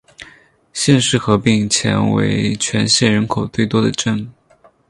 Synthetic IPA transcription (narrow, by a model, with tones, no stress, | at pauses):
ɕjɛ˥˧nʂɻ̩˥˩xɤ˧˥pi˧˩ŋt͡ɕʰjɛ̰˧˥nwḛ˧˥ɪt͡ɕʰɥɛ˧˥nɕjɛ˥˩ɻə˧˥nkʰo˨˩ʊt̪we˥˩ɪt̪wɔ˥d̪ə˨ʈ͡ʂə˥˧˩n